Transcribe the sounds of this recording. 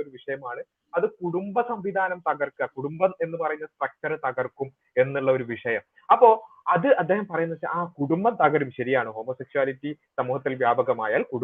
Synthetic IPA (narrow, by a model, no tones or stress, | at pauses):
oɾuʋiʂɐjɐmaːɳɨ | ɐðɨkuɽumbɐsɐmʋid̪ʱaːnɐmt̪ɐɣɐrkɐkuɽumbɐme̞nːɨpɐrɐjuɲːɐstrɐk̚tɐɾt̪ɐɣɐrkːum | e̞nːuɭːɐo̞ɾuʋiʂɐjɐm | ɐpːo̞ːɐðɨɐd̪ːeːhɐmpɐrɐjunːɐðɕɐ̰aːkuɽumbɐt̪ɐɣɐɾumɕɐɾijaːɳɨɦo̞ːmo̞ːseksuaːlitːi | sɐmuːhɐt̪ːilʋjaːbɐɣɐma̰ːjaːlkuɽ